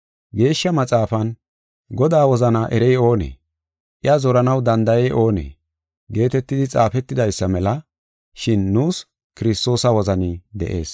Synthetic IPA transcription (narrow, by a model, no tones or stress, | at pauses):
ɡe̞ːʃːɐmɐt͡sʼaːfɐn | ɡɔd̪aːwɔzɐnɐʔɛɾɛjo̞ːnḛː | ʔɪɐzɔɾɐnɐwd̪ɐnd̪ɐjɛjʔo̞ːnḛː | ɡe̞ːt̪ɛt̪ːɪd̪ɪt͡sʼaːfɛt̪ːɪd̪ɐjsːɐmɛlɐ | ʃɪnːuːs | kɪɾɪst̪o̞ːsɐwɔzɐnɪd̪ɛ̰ʔe̞ːs